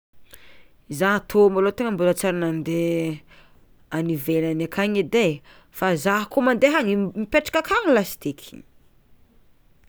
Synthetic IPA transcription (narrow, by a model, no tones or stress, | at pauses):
izat̪ʰomalot̪eŋəmbulat͡saɾanand̪e | anivelanakʰaɲid̪e | fazaɦkomand̪eɦaŋimipeʈ͡ʂḁkʲakʰallasi̥t̪ekʰi̥